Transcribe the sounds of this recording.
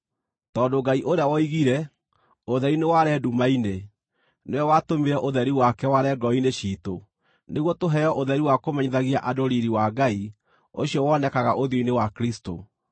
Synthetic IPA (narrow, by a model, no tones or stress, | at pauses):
tɔːdoɡaiʔoɾeawɔiɣiɾɛ | oðɛɾinewaɾɛdumaine | neɔwatomeɾɛʔoðɛɾiwakɛwaɾɛɡɔineɕiːto | neɣwɔtoɦɛɔʔoðɛɾiwakomɛɲiðaɣiaʔadoɾiɾiwaɡai | o̰ɕiɔwɔnɛkaɣaʔoðjoinewakɾisto̰